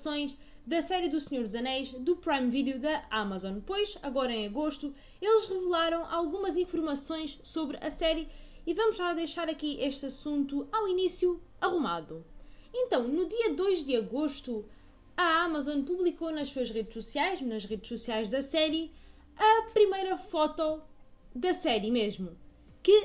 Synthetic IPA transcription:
sõj̃ʃ | ðɐsɛɾjɨðusɲoɾd̪zɐnɛjʃd̪upɾajmviðjuðɐamɐzɔ̃npojʃɐɣɔɾɐẽɐɣoʃt̪u | elˠʃʁɨvɨlˠaɾɐ̃w̃ʔalˠɣumɐzĩfuɾmɐsõj̃ʃsoβɾɐ̰sɛɾjɨivɐmuʒaðɐjʃaɾɐkiʔeʃt̪ɐsũnt̪uaw̃inisju | ɐʁuma̰ðuẽnt̪ɐ̃w̃nud̪iɐd̪ojʒd̪ɨɐɣoʃt̪u | ɐamazõnpuβlˠikonɐʃsuɐʒʁeðʃsusiajʃnɐʃʁeðʃsusiajʒd̪ɐsɛɾjɨ | ɐpɾimɐjɾɐfɔt̪ɔd̪ɐsɛɾjɨmeʒmu | kɨ

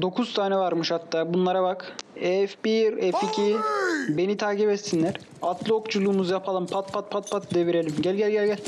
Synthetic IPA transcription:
d̪o̞kʰuzt̪ʰaːnɛvaɾmɯʃhat̪ʰːaːbunlˠaɾabakɛfbiɾɛficʰibe̞nit̪ʰaːcibɛt̪sinlʲæɾ̥ | at̪lˠɯo̞kd͡ʒulˠuːmuzjapʰalˠɯmpʰat̪̚pʰat̪̚pʰat̪̚pʰat̪̚d̪eviɾe̞lʲimɟælʲɟælʲɟɛlʲɡɟɛlʲ

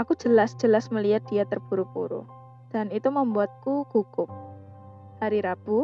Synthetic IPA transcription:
ʔaku̥d͡ʒəlasd͡ʒ̥əlasməliat̪̚d̥ijat̪ərb̥uɾupuɾṵ | d̥anit̪uməmbuat̪̚kuɡ̥ukʊp̚ | haɾiɾab̥u

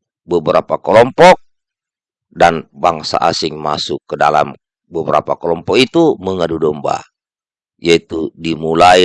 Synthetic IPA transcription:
bəbəɾapakəlɔmpɔk̚ | danbaŋsa̰ʔasɪŋma̰sʊkːəda̰la̰m | bəbəɾa̰pakəlɔmpɔk̚it̪uməŋadudɔmba̰ | jait̪udimulai

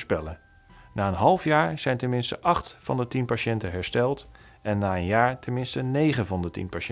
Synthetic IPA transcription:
spɛlə | naːənɦɑlˠfjaːɹz̥ɛjntɛnmɪnstə̰ʔɑχtfɑ̰ndətinpaʃɛntəɦɛɹstɛlˠt | ʔɛnːaːənjaːɹtəmɪnstənejχəvɑndətḭnpaʃ

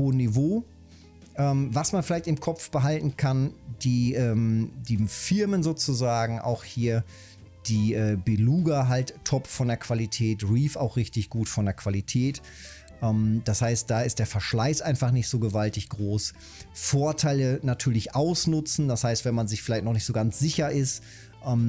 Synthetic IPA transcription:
hoːənːivoː | ʔɛːmvasmanfɪlaɪçtɪmkʰɔpp͡fb̥əɦaltn̩kʰand̥iːʔɛːmdiːfɪɐmənzoːt͡suzaːɡŋ̩ʔa̰ʊxhiːɐ | d̥iːʔɛːbeluːɡɐɦaltʰːɔpfɔndeːɐkv̥alitʰɛːtʁiːfaʊxʁ̥ɪçtɪçɡ̥uːtfɔndeːɐkv̥alitʰɛːt | ʔɛːmd̥ashaɪst̚d̥aːɪstd̥eːɐfɛɐʃlaɪsʔaɪnfaχnɪçtz̥oːɡəvaltɪçɡ̥ʁoːs | foːɐtʰaɪlənatʰyːɐlɪçʔaʊsnʊt͡sn̩d̥ashaɪstv̥ɛnmanzɪçfɪlaɪçtnɔχnɪçtz̥oːɡant͡sz̥ɪçɐʔɪst | ʔɛːm

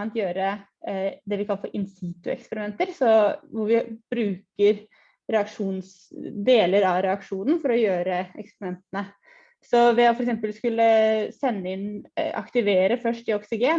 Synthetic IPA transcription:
nt̪jøːɾə | d̪ɛʋɪkʰɑlːəfɔɾʔɪnsiːt̪ʉɛ̰kspəɾɪmɛnt̪əɾsɔʋʊɾʋɪb̥ɾʉːkəɾ | ɾɛɑkʂuːns | d̪eːləɾɑʋɾɛɑkʂuːnən̩fɔɾɔjøːɾəɛ̰kspəɾɪmɛnt̪ənə | sɔʋɛɔfɔɾɛksɛmpəlskʉlːəsɛnːəɪnɑ̰kt̪ɪʋeːɾəfœʂʈɪɔksɪɡeːn

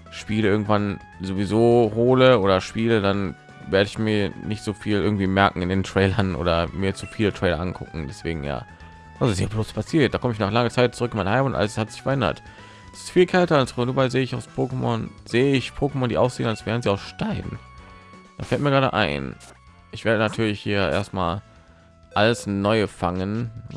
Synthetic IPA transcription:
ʃpiːləʔɪɐɡŋ̩tv̥an | zovizoːhoːləoːɾɐʃpiːlədan | veːɐɾəɪçmiːɐnɪçtz̥oːfiːlʔɪɐɡŋ̩tv̥iːmɛɐkŋ̩ɪndeːntʁ̥ɛɪlɐnʔo̰ːdɐmiːɐt͡sufiːlətʁ̥ɛɪlɐ̰ʔankʰʊ̰kŋ̩dɛsv̥ḛːɡŋ̩ja̰ː | ʔalzoɪsjaːbloːspʰasiːɐt̚d̥aːkʰɔməɪçnaːχlaŋət͡saɪt̚t͡sʊʁʏkɪnmaɪnɦaɪmʊnʔa̰ləshatz̥ɪçfɛɐʔɛndɐ̰t | sɪ̥stfiːlkʰɛltɐalsʁʊnuːbaɪzeːəɪçaʊspʰoːkəmɔ̰nzeːəɪçpʰoːkəmɔndiːʔaʊsz̥eːnalsv̥ɛːɐn̩ziːaʊsʃtaɪbn̩ | d̥a̰ːfɛlt̚miːɐɡʁaːdə̰ʔa̰ɪn | ʔɪçv̥eːɐɾənatʰyːɐlɪçhiːɐʔḛːɐstmaːl | ʔaləsnɔʏəfaŋən

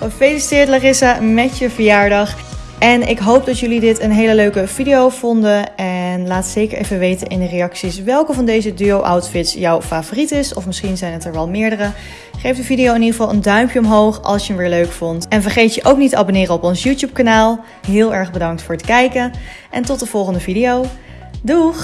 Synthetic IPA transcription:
əfejlistɪɹtlarɪsamɛtjəvəjaːɹdɑχ | ʔɛnɪkɦowp̚dɑtjɵlidɪtənɦejləløɥkəv̥idijowv̥ɔndənɛnlaːtsejkəɹʔḛjvənʋejtənɪndərejɑksisʋɛlˠkəvɑndejzədyowʔa̰wtfɪtsjɔwfaːvoːritɪsɔ̰fmɪsχinzɛjnɦətɛɹʋɛlˠmɪːɹdərə | χejfdəvidijowɪniχəvɑlˠʔə̰ndœɥmpjəɔmɦowχɑ̰lˠsjənʋɪːɹløɥkfɔntɛnvəɹχejtjəʔowk̚nitəʔa̰bonɪːrəɔpɔnsjuːtjup̚kanaːlˠ | ɦɪːlˠɛɹχbədɑŋktfʊːɹətkɛjkən | ʔɛ̰ntɔt̚dəv̥ɔlˠχəndəvidiow | du

